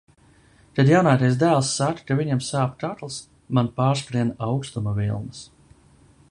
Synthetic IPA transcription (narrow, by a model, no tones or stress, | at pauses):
t̪ad̪jawnaːt̪ajs̬d̪æːlˠsːakkaviɲɛmsaːpt̪at̪lˠs | manpaːɾskɾiɛnawkst̪umavilˠnɨs